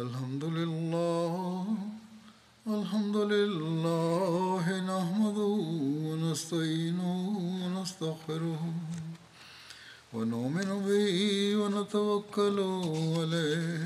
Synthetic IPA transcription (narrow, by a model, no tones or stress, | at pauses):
alħamd̪ʊlɪlːaː | alħamd̪ʊlɪlːaːɦnahmad̪ʊwanast̪aʔiːnʊwanast̪aɣfɪɾʊh | wanʊʔmɪnʊbɪhwanat̪awakːalʊʕalaːhh